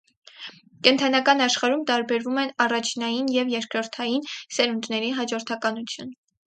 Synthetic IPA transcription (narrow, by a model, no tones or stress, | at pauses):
kɛnt̪ʰɑnɑkɑnɑʃχɑɾumt̪ɑɾbɛɾvumɛnɑrɑt͡ʃʰnɑjinjɛvjɛɾkɾɔɾt̪ʰɑjinsɛɾund̪nɛɾiɦɑd͡ʒɔɾt̪ʰɑkɑnut͡sʰjun